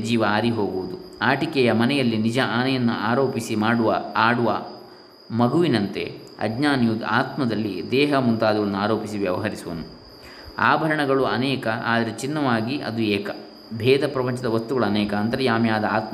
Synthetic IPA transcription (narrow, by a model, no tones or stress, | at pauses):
d͡ʒiːʋɐaːɾiɦo̞ːɡuʋud̪uaːʈikɛjɐmɐnɛjɐlːinid͡ʒɐʔaːnɐjɐnːuʔaːɾo̞ːpisimaːɽuʋɐaːɽuʋɐ | mɐɡʱuʋinɐnt̪e̞̰ | ɐ̰ɡɲaːnjud̪aːt̪mɐd̪ɐlːid̪ɛːɦɐmunt̪aːd̪ɐʋɐɐnːuaːɾo̞ːpisiʋjɐʋɐɦɐɾisuʋɐ̰nːu | a̰ːbʱɐɾɐɳɐɡɐɭuɐnɛːkɐʔaːd̪ɐɾet͡ʃinːɐʋaːɡiɐ̰d̪ueːkɐ | bʱɛːd̪ɐpɾɐpɐɲt͡ʃɐd̪ɐʋɐst̪uɡɐɭuɐnɛːkɐːnt̪ɐɾejaːmjaːd̪ɐaːt̪